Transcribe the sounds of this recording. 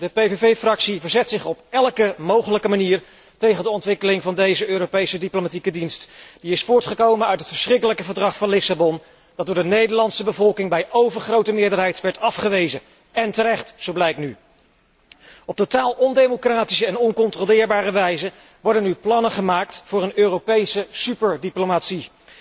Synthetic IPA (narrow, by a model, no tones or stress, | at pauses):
dəpejvevejfrɑksivəɹzɛtsɪχɔpɛlˠkəmowχələkəmaniːɹ | tejχəndəɔntʋɪkəlɪŋvɑndejzəøːɾowpejsədiplomatikədinstd̥iɪsfʊːɹtχəkowmənœɥtɦətfəɹsχrɪkələkəvəɹdrɑχfɑnlɪsabɔn | d̥ɑt̚dʊːɹdənejdəɹlɑntsəbəvɔlˠkɪŋbɛjʔowvəɹχrowtəmɪːɹdəɹɦɛjtʋɛɹtɑfχəʋejzə | ɛntəɾɛχtsowblɛjkny | ɔp̚totaːlˠɔndejmokraːtisəɛnɔnkɔntrolɪːɹbaːɾəʋɛjzə | ʋɔɹdənyplɑnəχəmaːk̚tfʊːɹənøːrowpejsəsypəɹdiplomatsi